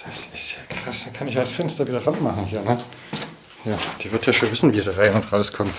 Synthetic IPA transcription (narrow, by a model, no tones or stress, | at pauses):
d̥asɪstjaːkʁ̥asd̥akʰanɪçalsfɛnstɐviːdɐʁanmaχn̩hiːɐnə | jaːd̥iːvɪɐtjaʃoːnvɪsn̩vizəʁaɪnɔtʁaʊskʰɔmt